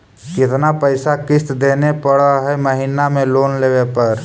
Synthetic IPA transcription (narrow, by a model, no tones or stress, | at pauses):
kɪt̪napəɪsakɪst̪d̪eːnepəɽaɦɛməɦinamẽloːnleːʋepɐɾ